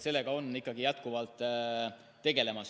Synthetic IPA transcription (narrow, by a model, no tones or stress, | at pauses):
se̞lːe̞ɡ̥ɑo̞nːikːˑɑɡ̥ijæt̪kuvɑlt̪ˑː | e̞ɡe̞le̞mɑs